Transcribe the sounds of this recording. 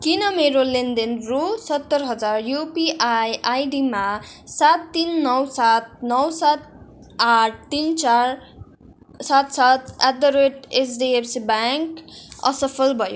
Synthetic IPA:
kinʌmeɾolend̪enrusʌt̪ːʌɾɦʌd͡zarjupiʔajajɖimasat̪ːinːʌwsat̪̚nʌwsat̪̚ | aʈ̚ʰt̪int͡saɾ | sat̪sat̪̚ʰad̪ʌɾeʈesɖiepʰsibaŋkʌ̰sʌpʰʌlbʱʌjo

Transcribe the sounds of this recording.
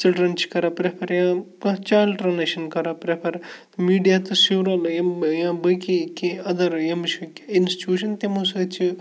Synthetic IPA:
t͡ʃilɖɾɐnt͡ʃʰi̥kɐɾapɾepʰɐɾjãkɐt͡ʃaːlʈɾɐnɐʃɐnkɐɾapɾepʰɐɾ | miːɖijat̪ɨsiʋɾaljɐjãbɐkikiɐd̪ɐɾjɐmt͡ʃʰikinst͡ʃuːʃɐnt̪emusɐt͡ʃʰi

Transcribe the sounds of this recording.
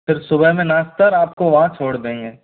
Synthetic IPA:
pʰɪɾsʊbəɦmẽnaːst̪əɾaːp̚koʋɐɦãt͡ʃʰoːɽd̪eẽɛː

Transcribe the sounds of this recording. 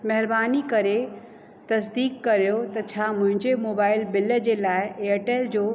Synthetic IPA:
mɐɦɪɾbaːnikɐɾe | t̪ɐsd̪iːkːɐɾijot̪ɐt͡ɕʰamʊ̃ɦɪ̃ɲd͡ʑemoːbaːɪlbɪləd͡ʑelaːɪeːəʈeːld͡ʑoː

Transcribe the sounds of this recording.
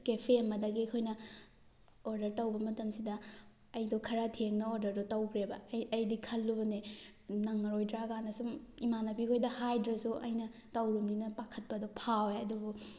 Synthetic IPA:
kepʰeɐmɐdɐɡikʰojnɐ | oɾdɐɾtɐwbɐmɐtɐmsidɐː | jdɔkʰɐɾatʰeŋnɐoɾdɐɾdɔtɐwkʰɾebɐɐjdikʰɐlːunenɐŋːɐɾojdɾaɡanɐsumimanɐbikʰojdɐhajdɾɐsuʔɐ̰jnɐ | tɐwɾumninɐpakʰɐt̚pɐdɔpʰaweɐdubu

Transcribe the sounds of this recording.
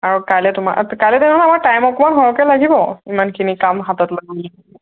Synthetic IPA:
aɹukalɛtʊma̰ʔkalɛtɛɔlamaɹtajmɔkɔmanɦɔɹɔkɛlaɡibɔimankʰinikamɦatɔtlaɡɔlaɦɔɛ

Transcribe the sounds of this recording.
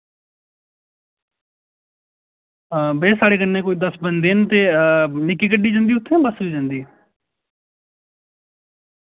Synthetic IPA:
beːsaːɽeːkənːẽːkoːiːd̪əsbənd̪eːnt̪eːnɪkːiːk̬əɖiːd͡ʒãːnd̪iːʊt̪ʰːẽbəsiːd͡ʒãːnd̪iː

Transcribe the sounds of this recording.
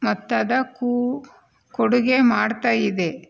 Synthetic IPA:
mɐt̪ːɐd̪ɐku | koɽuɡemaːɽt̪aːjid̪e

